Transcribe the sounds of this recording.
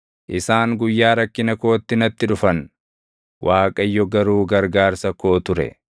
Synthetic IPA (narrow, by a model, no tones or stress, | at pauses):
ʔɪsaːŋɡʊjːaːɾɐkːɪnɐko̞ːt̪ːɪnɐt̪ːɪᶑʊfɐn | wʔaːkʼɐjːɔɡɐɾuːɡɐɾɡaːɾsɐko̞ːt̪ʊɾɛ̰